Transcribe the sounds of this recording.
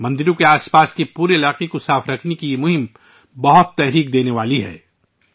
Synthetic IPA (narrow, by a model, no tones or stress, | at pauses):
mɐ̃nd̪ɪɾõkeaːspaːskepuːɾeɪlaːqekosaːfɾɐkʰnekijemʊɦɪm | bɐɦʊt̪ːɛɦɾiːk̚d̪eːneʋaːliɦɛ̰ː